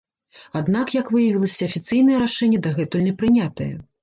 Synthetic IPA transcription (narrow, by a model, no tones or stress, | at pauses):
ad̪nakjɐkvɨjɐvʲilˠɐsʲɐɐfʲit̪sɨjnɐjɛɾaʂɛnʲːɐd̪ɐɣɛt̪ulʲnʲɛpɾɨnʲat̪ɐjɐ̰